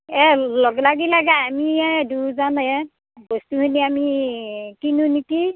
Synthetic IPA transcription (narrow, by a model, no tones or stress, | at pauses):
ɛlɔɡlaɡilaɡaamiɛduzanɛ | bɔstuhuniami | kinuniki